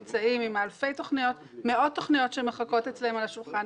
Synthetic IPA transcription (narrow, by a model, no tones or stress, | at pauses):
t͡saimimalfe̞jto̞χnijo̞t | me̞o̞d̚t̪ːo̞χnijo̞tʃeme̞χako̞tet͡slahemalaʃulχan